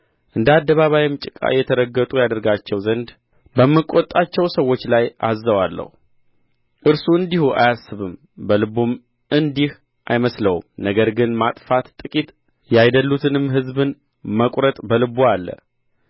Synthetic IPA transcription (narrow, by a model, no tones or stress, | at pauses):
ʔɨnd̪əad̪ːəβaβajɪmt͡ʃʼɪkʼa̰jɛt̪ʰəɾəɡːət̪ʼujad̪əɾɡat͡ʃːɛwzənd̪ | bəmːɨkʼːot̪ʼːat͡ʃːɛwsəwːot͡ʃːlajazːəwalːə̰hu | ʔɨɾsuɨnd̪ihuʔa̰jasːɨβɨm | bəlɨbum | ɨnd̪ih | ʔajməsləwṵmnəɡəɾɡɨnmat̪ʼfat̪t̪ʼɨkʼit̪ | jajd̪əlːut̪ʰɨnɨmɦɨzbɨn | məkʼɾət̪ʼbəlɨbualːə̰